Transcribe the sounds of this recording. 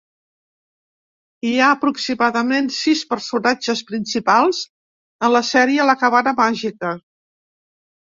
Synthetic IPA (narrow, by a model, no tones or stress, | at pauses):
iaəpɾuksimaðəmensispəɾsunad͡ʒəspɾinsipalˠz̥ | ənləsɛɾiələkəβanəmaʒikə